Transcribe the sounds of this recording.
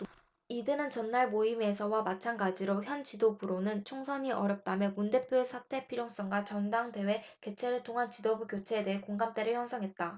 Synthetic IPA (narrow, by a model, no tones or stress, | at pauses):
idɯnɯnt͡ɕʌnːaɭmoime̞sʰʌwamat͡ɕʰanɡad͡ʑiɾoçjʌnt͡ɕidobuɾonɯnt͡ɕʰoŋsʰʌɲiʔʌɾjʌp̚t͈amjʌmunde̞pʰjoesʰatʰe̞pʰiɾjoŋs͈ʌŋɡwat͡ɕʌndaŋde̞we̞ke̞t͡ɕʰe̞ɾɯɭtʰoŋɦant͡ɕidobukjot͡ɕʰe̞ːde̞ɦekoŋɡamt͈e̞ɾɯɭçjʌnsʰʌŋɦe̞t̚t͈a